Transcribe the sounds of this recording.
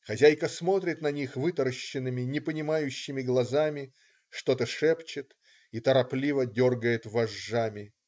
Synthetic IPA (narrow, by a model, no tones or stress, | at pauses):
xɐzʲæjkəsmo̞t̪ɾʲɪt̪nɐnʲixvɨt̪əɾəɕːɪnːɨmʲɪnʲɪpənʲɪmajʉɕːɪmʲɪɡlˠɐzamʲɪ | ʂt̪o̞t̪əʂɛpt͡ɕɪt̪ | it̪əɾɐplʲivədʲo̞rɡəjɪt̪vɐʐːamʲɪ